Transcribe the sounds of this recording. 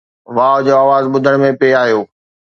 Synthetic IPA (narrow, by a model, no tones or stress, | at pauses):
ʋaːd͡ʑoːaːʋaːzɓʊd̪ʱəɽ̃mẽpeːaːɦijoː